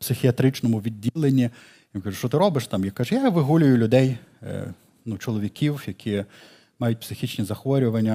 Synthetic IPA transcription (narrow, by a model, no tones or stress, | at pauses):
psɪxʲiɐt̪ɾɪt͡ʃnɔmʊʋʲidʲːilˠenʲːi | jinkaʒʊʃɔt̪ɪɾɔbɪʃt̪ɑmjikaʒɛjaʋɪɦulʲʊjʊlʲʊd̪ɛj̰ | nut͡ʃɔlˠɔʋʲikʲʰiwjɐkʰʲi | mɑjʊt̚ʲpsɪxʲit͡ʃnʲizɐxʋɔɾʲʊʋɐnʲːɐ